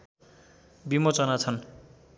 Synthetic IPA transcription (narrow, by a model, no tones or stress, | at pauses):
bimot͡sʌnat͡sʰʌn